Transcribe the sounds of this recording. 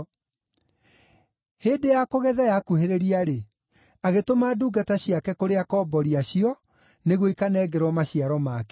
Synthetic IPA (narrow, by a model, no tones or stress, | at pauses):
heːdejakoɣɛðajakuheɾeɾiaɾe | aɣetomaːduːɡataɕiakɛkoɾeakɔbɔɾiaɕiɔ | neɣwikanɛɡɛɾwɔmaɕiaɾɔmakɛ̥